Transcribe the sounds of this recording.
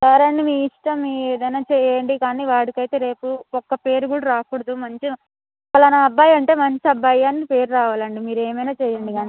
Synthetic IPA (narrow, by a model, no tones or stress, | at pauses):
kaːɾɐɳɖimiːiʂʈɐmieːd̪ɐjnaːt͡ʃɛjːɐɳɖikaːniːʋaːɽikɐjt̪e̞ːɾe̞ːpuɔkːɐpe̞ːɾukuːɽɐɾaːkuːɽɐd̪umɐɲt͡ʃi | pɐlɐnɐːbaːjɐɳʈe̞ːmɐɲt͡ʃiɐbːajaːnːipe̞ːɾuɾaːʋaːlɐɳɖimiːɾeːmɐjnaːt͡ʃɛːjɐɳɖikaːni